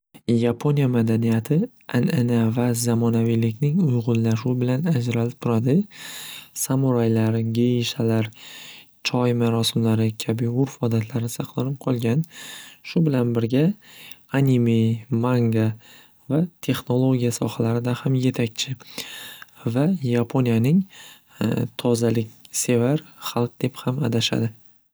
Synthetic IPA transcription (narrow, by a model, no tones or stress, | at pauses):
japʰo̞nijamad̪anijat̪ʰɪ | a̰nenavazamɒnavijlɪkʲnɪŋʊjʁʊnːaʃubɪlanad͡ʒɾalɪp̚t̪ʰʊɾad̪ɪ | samʊɾajlaɾɡʲe̞jiʃalaɾ | t͡ʃʰɒjmaɾɒsɪmlaɾɪkʲʰabɪʊɾfɒd̪at̪ʰlaɾɪsɑqlˠaɾɪp̚qʰɒlˠɡʲanʃʊbɪlanbɪɾɡʲa | anʲimijmaŋɡa | vat̪ʰe̞χno̞lˠoɡʲijasɒχalaɾɪd̪ahamje̞t̪ʰakʲt͡ʃʰɪ | vajapʰonijanɪŋ | t̪ʰɒzalɪkʲse̞vaɾχɑlˠq̚d̪e̞phamad̪aʃa̰d̪ɪ